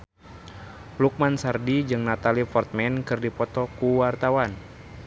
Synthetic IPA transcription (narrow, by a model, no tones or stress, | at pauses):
luk̚mansardid͡ʒɨŋnat̪alifɔrt̪̚mɛnkɨrdipɔt̪ɔkuwart̪awan